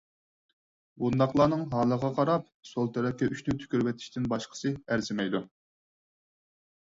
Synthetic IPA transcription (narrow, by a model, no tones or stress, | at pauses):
bund̪ɑχlˠɑːnɨŋɦɑːlˠəʁɑqʰɑɾɑp̚ | solˠt̪ʰɛɾɛkʲːɛʔyʃʲnyt̪ʰy̥kʲyɾwɛt̪ʰi̥ʃt̪ɪnbɑʃqʰə̥sɨæɾzɪmɛjd̪u